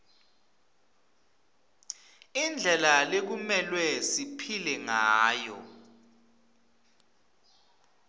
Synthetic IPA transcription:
ind͡ɮʱɛlalek̬umɛlwɛsipʰilɛŋaːjɔ̰

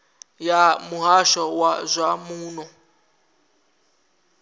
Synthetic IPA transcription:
jamuɦaʃɔwazʷamuːnɔ

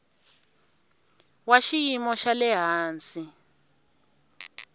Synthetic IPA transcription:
waʃijimɔʃalɛɦaːnt͡sʼi

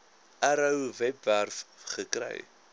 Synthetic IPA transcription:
əɾəwvɛpværfχəkrɛ̰j

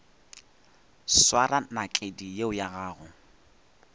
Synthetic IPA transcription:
swaranakʼedijeʊjaɣaːɣʊ

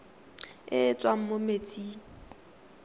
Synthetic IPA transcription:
ɪt͡sʼwaŋ̩momet͡sʼiː

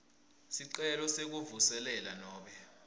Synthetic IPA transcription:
siǃɛlɔsek̬uvusɛlɛlanɔːɓɛ

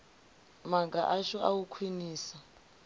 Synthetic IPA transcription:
maɡa̰ʔaʃɔawukʰwiniːsa

